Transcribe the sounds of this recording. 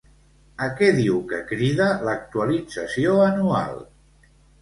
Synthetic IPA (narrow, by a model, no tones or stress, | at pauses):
əkɛðiwkəkɾiðələk̚t̪uəlid͡zəsioənua̰lˠ